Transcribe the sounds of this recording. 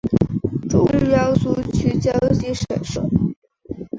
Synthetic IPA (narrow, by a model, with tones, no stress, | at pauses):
ʈ͡ʂʊ˥ŋy˥˧˩jɑ˥ʊsu˥t͡ɕʰy˥˩t͡ɕjɑ˥ʊʊt͡ɕi˧˥ʂə̰˨˩nʂə˥˩˦